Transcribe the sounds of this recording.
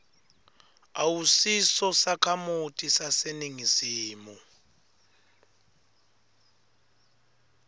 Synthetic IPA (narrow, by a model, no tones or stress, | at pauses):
awusisɔsakʰamutʼisaseniŋiziːmu